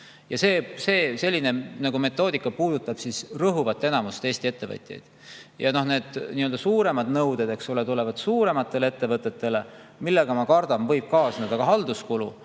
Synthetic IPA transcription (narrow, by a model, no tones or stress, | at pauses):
jɑse̞ːse̞ːse̞lʲːine̞nɑɡume̞t̪ːˑo̞ːd̪ikːˑɑpuːd̪̥ut̪ːˑɑb̥sisrɤɦuvɑt̪ːˑe̞nɑmust̪e̞ːsʲt̪ie̞t̪ːe̞vɤ̰t̪ʲˑjḛjd̪̥ | jɑno̞hne̞ːd̪̥niːøld̪ɑsuːɾe̞mɑd̪nɤwd̪̥ed̪e̞ksulet̪ulevɑd̪̥suːɾe̞mɑt̪ːe̞lee̞t̪ːe̞vɤt̪ːˑe̞t̪ːˑe̞le̞ | milːe̞ɡ̥ɑmɑkɑrd̪̥ɑmvɤ̞jb̥̚kɑːsned̪̥ɑɡ̥ɑɦɑld̪̥uskulṵ